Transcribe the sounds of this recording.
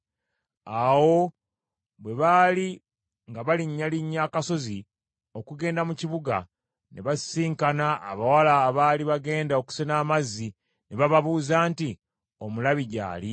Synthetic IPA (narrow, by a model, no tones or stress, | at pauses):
awo̞ | βwe̞βaːli | ŋɡaβaliɲːaliɲːakaso̞zi | o̞kuɡe̞ːndamuciβuɡa | neβasiːŋkanaʔːβawalaːβaːliβaɡe̞ːndaoku̥senaːmazːi | neβaβaβuːzaːnti | omulaβiɟa̰ːli